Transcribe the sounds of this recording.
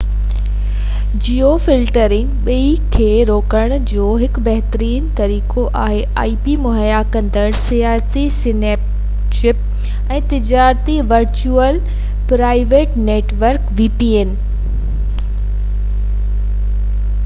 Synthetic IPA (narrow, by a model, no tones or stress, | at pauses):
d͡ʑiːofɪlʈəɾɪ̃ŋɡɓɐikʰeːɾoːkəɽ̃d͡ʑoːɦɪkbɛɦt̪əɾiːnt̪ɐɾiːkoʔaːɦeʔa̰ːiːpimʊɦəjakɐ̃nd̪əɽsijaːsisɪneːp̚ | ʃɪp̚ | ɛ̃ːt̪ɪd͡ʑaːɾt̪iʋɐɾt͡ɕuːəl | pɾaːɪʋeːʈneːʈʋəɾkʋiːpien